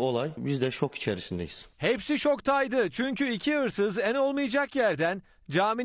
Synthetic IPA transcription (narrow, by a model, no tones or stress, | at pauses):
o̞lˠajbizd̪ɛt͡ʃʰo̞ki̥t͡ʃʰeɾisind̪ḛjiz̥hepsit͡ʃʰo̞kt̪ʰajd̪ɯt͡ʃʰyɲcʰyicʰiɯɾsɯzɛno̞lˠmɯjad͡ʒakjæɾd̪æn | d͡ʒaːmi